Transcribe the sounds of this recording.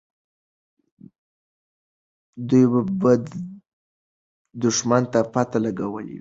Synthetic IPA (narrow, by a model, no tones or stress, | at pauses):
d̪ujbabəd̪ | d̪ʊʂmant̪apat̪alaɡawəlḭwi